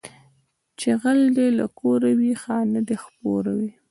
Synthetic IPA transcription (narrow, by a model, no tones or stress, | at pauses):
t͡ʃeɣald̪elakoɾawixɑnad̪expoɾawi